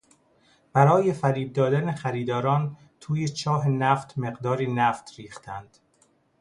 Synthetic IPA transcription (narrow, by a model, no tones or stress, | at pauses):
b̥æɾɒːje̞fæɾiːb̚d̪ɒːd̪ænexæɾiːd̪ɒːɾɒːn | t̪ʰuːjet͡ʃʰɒːɦenæːft̪ʰme̞ɢd̪ɒːɾiːnæːft̪ɾiːxt̪ʰænd̪̥